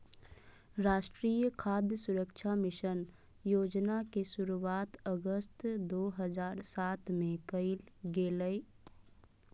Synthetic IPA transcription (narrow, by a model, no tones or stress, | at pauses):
ɾaːʃʈɾiːjəkʰaːd̪ʱjəsʊɾəkʃʰamɪʃən | joːd͡ʒnakesʊɾuaːt̪əɡəst̪d̪oːɦəzaːɾsaːt̪mẽkəɪlɡeːləi